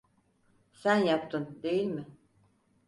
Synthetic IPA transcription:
sænjapt̪ʰɯnd̪e̞jilʲmɪ

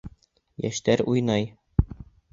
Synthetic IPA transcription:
jæ̰ʃt̪æɾujnɑj

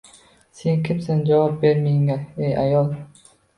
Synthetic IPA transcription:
seŋkʲʰɪmsand͡ʒavɒp̚beɾmɪŋaeja̰jɒlˠ

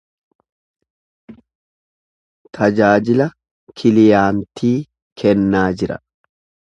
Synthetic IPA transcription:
t̪ʰɐd͡ʒaːd͡ʒɪlɐ | kʰɪlɪjaːnt̪ʰiː | kʰɛnːaːd͡ʒɪɾɐ̰

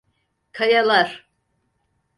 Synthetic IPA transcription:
kʰajalˠaɾ̥

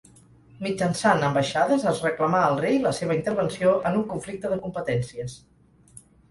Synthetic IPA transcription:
mid͡ʒənsanəmbəʃaðəzəzrəkləmaəlˠrejləseβ̞əint̪əɾβənsioʔənuŋkuɱflik̚t̪əðəkumpət̪ɛnsiəs

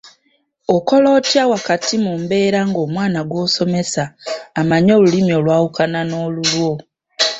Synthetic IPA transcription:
oko̞lo̞ːtjawakatimumbe̞ːɾaŋɡo̞ːmwaːnaɡwo̞ːso̞me̞saːmaɲo̞ːlulimjo̞ːlwaːwukanano̞ːlulwo̞

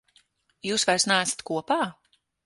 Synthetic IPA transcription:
juːsvaɾsnaːsḁt̪kuɔpaː

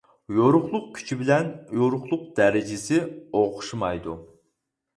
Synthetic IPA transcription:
joɾʊχlˠʊq̚kʲʰy̥t͡ʃʰibɪlɛnjoɾʊχlˠʊq̚d̪̥ɛɾɪd͡ʒɪsɪoʁʊ̥ʃumɑjd̪u

